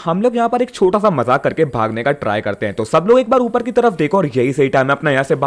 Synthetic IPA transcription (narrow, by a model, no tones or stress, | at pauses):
hɐmloːɡjɐɦãpɐɾeːk̚t͡ʃʰoːʈasamɐzaːkɐɾkebʱa̰ːɡnekaʈɾa̰ːjkɐɾt̪eɦɛ̃t̪osɐbloːɡeːk̚baːɾuːpəɾkit̪ɐɾəfd̪eːkʰoɔːɾjɐɦisɐɦiʈaːmẽɐpnajɐɦãseba